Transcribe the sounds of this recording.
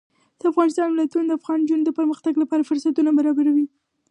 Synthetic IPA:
d̪̥əafɣɑnɪst̪ɑnmɪlat̪unod̪əafɣɑnd͡ʒund̪əpəɾməxt̪aɡlapɑɾafʊɾsat̪unabaɾɑbaɾawi

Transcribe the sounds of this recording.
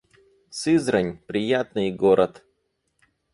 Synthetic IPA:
sɨzɾənʲpɾʲɪjat̪nɨjɡoɾʔət̪

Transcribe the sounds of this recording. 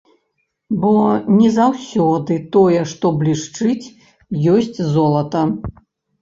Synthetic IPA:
bɔnʲɛzawsʲɔd̪ɨt̪ɔjɛʂt̪ɔblʲiʂt͡ʂɨt͡sʲ | jɔsʲt͡sʲzɔlˠɐt̪ɐ

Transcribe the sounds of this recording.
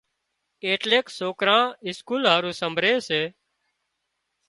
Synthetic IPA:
eːʈleːksoːkɾãːɪskuːlɦaːɾũːsəmbʱɾeːseː

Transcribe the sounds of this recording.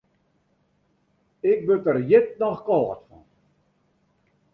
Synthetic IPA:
ɪk̚bøtərjɪt̚nɔxkɔːtfɔ̰n

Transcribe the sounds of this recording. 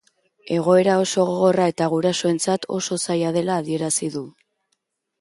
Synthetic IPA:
e̞ɣ̞o̞e̞ɾao̞so̞ɣoɣo̞rae̞t̪aɣ̞uɾaso̞e̞nt͡sat̪ʰo̞̰so̞sajaðe̞laːðie̞ɾasiðu

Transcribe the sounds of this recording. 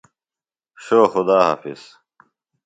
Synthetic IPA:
ɕoːxʊd̪aːɦa̰ːfḭs

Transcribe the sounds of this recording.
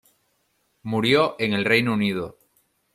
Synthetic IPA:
muɾjoʔeŋe̞lrejnounið̞o̰

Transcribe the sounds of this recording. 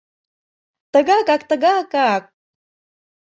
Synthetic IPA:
t̪əɣɑkɑkt̪əɣɑkɑk̚

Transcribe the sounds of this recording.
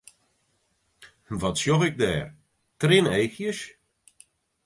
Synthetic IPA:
ʋɔtsjoxɪk̚dɛ̰ːr | trɪnejxjəs

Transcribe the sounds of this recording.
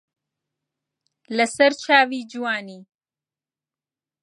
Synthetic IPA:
lɐsɐɾt͡ʃʰaːviːd͡ʒuwaːniː

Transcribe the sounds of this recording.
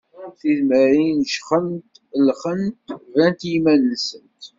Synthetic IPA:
θizməɾinʃχənt̪ | lχənt̪vænt̪jimænsənt̪

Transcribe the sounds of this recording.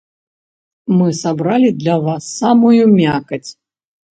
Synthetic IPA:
mɨsabɾalʲid̪lʲɐvasːamujumʲakɐt͡sʲ

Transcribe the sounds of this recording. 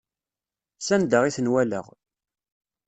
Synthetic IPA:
sænd̪əʁiθənwælə̰ʁ

